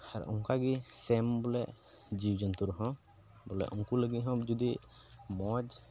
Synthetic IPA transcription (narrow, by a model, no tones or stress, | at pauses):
ha̰ɾɔ̰ŋkaɡisɛmbɔlɛʔ | d͡ʒiwd͡ʒɔnt̪uɾɦɔ̃ | bɔlɛ̰ʔɔŋkuləɡit̪ɦɔ̃d͡ʒɔd̪i | mɔd͡ʒ